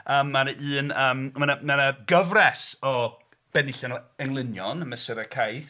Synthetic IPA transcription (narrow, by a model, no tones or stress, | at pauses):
əːmːanʔɨːnəːmmanamanəɡəvrɛsɔ | b̥ɛnɪɬanəŋlˠɪnjɔnməsɛɾəkʰajθ